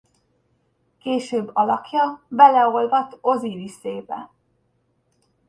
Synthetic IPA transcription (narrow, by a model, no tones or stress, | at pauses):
keːʃøːbːɒlɒkjɒbɛlɛo̞lvɒt̪o̞ziviseːbɛ̰